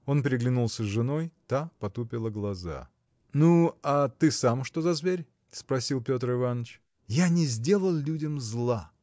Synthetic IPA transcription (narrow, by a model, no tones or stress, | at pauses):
o̞npʲɾʲɪɡlʲɪnulˠsʲəzʐɨno̞jt̪apɐt̪upʲɪlˠəɡlˠɐza̰ | nuat̪ɨsamʂt̪o̞zɐzvʲeɾʲ | spɾɐsʲilˠpʲo̞t̪rɨvanːət͡ɕ | janʲɪzʲdʲe̞lˠəlˠlʲudʲɪmzlˠa